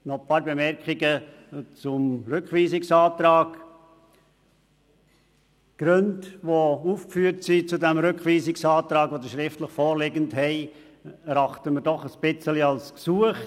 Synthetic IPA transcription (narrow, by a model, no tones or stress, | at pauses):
nɔpʰɑːɾbemɛɾkʰiɡə | t͡sʊmɾʏkʋiːsɪksɑːt̪ɾɑːɡ | ɡ̥ɾøndʋouːfkfyːəɾtsit͡sudɛmɾʏkχʋiːsɪksɑːt̪ɾɑːɡvʋod̪əʃɾɪftləχfɔːɾlɪɡəntɦɛɪ | ɾɑχtəməɾdɔχəspɪt͡səliɑlsksuəχ